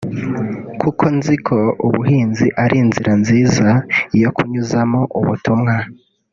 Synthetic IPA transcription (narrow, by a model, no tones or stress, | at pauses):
kʰukʰo̞nzikʰo̞uβuɦiːnziʔaɾʔiːnziɾʔanziːzajo̞kuɲuzamoʔuβṵtumŋa